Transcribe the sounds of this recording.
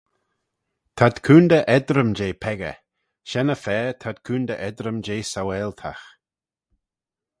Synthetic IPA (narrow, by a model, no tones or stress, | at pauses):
t̪ʰad̪̥kʰuːnd̪əʔɛd̪ɾəmd͡ʒeːpʰɛɡə̰ | ʃɛnəfɛːt̪ʰad̪̚kʰuːnd̪əʔɛd̪ɾəmd͡ʒeːsawɛlt̪ʰa̰x